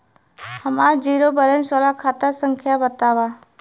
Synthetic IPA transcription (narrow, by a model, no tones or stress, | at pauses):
həmaːɾd͡ʒiːɾobəɾənsolakʰaːt̪əsə̃ŋkʰjabət̪aːʋaː